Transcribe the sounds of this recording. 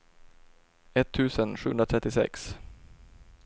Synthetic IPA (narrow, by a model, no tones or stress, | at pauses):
ɛt̪ʰːʉ̟ːsənɧʉːɵnɾat̪ʰɾɛt̪ːɪsɛ̰ks